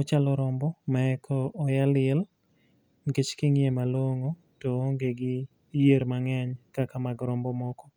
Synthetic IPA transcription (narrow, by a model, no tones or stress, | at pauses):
ɔt͡ʃalɔɾɔmbɔmaɛkʰɔʔːjalɪɛl | ŋɡet͡ʃkiŋjemaloŋo | toŋɡeɡɪ | jeɾmaŋɛɲkakamaɡɾɔmbɔmɔkɔ